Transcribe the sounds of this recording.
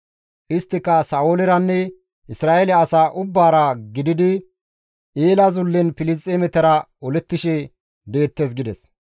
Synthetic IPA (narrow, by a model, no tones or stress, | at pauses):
ʔɪst̪ːɪkːɐsaːʔoːlɛɾɐnːɛ | ʔɪsɾaːʔɛlɛɐsaːʔʊbːaːɾɐɡɪd̪ɪd̪ɪ | ʔeːlɐzʊlːɛnfɪlɪst̪ʼːeːmɛt̪ɐɾɐ | ɔlɛt̪ːɪʃɛ | be̞ːt̪ːeːs̬ɡɪd̪ɛs